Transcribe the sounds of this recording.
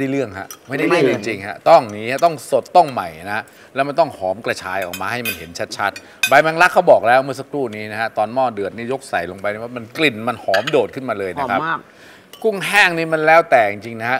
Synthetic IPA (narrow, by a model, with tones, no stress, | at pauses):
ma˥˩jda˥˩jlɯ˥˩əŋkʰa̰˦˥ʔma˥˩jda˥˩˨lɯ˥˩˨ŋt͡ɕi˧ŋt͡ɕi˧ŋɦa˦˥t̪ɔ˥˩ŋniː˦˥a˦˥˩t̪ɔ˥˩ŋso˨˩t̪ːɔ˥˩ŋma˨˩jna˦˥ka˥ | lɛː˦˥wma˧nt̪ɔ˥˩ŋhɔː˩˦mkla˧t͡ɕʰaː˧jʔɔ̰ː˨˩k̚maː˧ha˥˩jma˧nhe˩˦nt͡ɕʰa˦˥t̪̚t͡ɕʰa˦˥t̪̚ | ba˧jma˧nla˦˥kʰːa˦˥wbɔː˨˩k̚lɛː˦˥wmɯ˥˩ɐs̬a˦˥kʰɾuː˥˩niː˦˥na˦˥ha˦˥t̪ɔː˧nmɔː˥˩dɯ˨˩ət̪̚niː˦˥˩jo˦˥k̚sa˨˩jlo˧ŋpa˧jniː˥˩a˥˩ma˧nkli˨˩nma˧nhɔː˩˦mdoː˨˩t̪̚kʰɯ˥˩nmaː˧lɤː˧jna˦kʰa˦˥˩ | ku˥˩ŋɦaː˥˩ŋniː˦˥ma˧nlɛː˦˥wt̪ɛː˨˩t͡ɕi˧ŋt͡ɕi˧ŋna˦kʰa˦˥ʔ